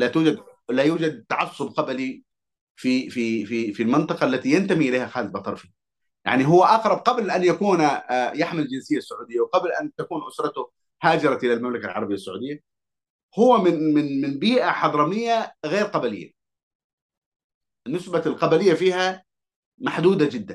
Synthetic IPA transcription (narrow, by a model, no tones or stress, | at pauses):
lat̪uːd͡ʒad̪lajuːd͡ʒad̪̚t̪ːaʕɑsˤːʊb̚qɑbali | fifififilmɪnt̪ˤɑqɑʔlːat̪ijant̪amiʔɪleːhaxaːzbɑt̪ˤɑ̰ɾˤfi | ja̰ʕniɦʊwːaʔɑqɾˤɑb̚qɑblʔanjakuːnjaħmɪld͡ʒɪnsɪjːasːʊʕuːd̪ɪjːawqɑblʔa̰nt̪akuːnʔʊsɾˤɑt̪ʊ | haːd͡ʒɑɾˤɑʔɪlalmamlakalʕɑ̰ɾˤbɪjːasːʊʕṵːd̪ɪjːa | hʊwːamɪnmɪnmɪnbiːʔaħɑd̪ˤɾˤɑnɪjːaɣeːɾqɑbalɪjːa̰ | ʔɪnːɪsbalqɑbalɪjːafiːha | maħd̪uːd̪ad͡ʒɪd̪ːan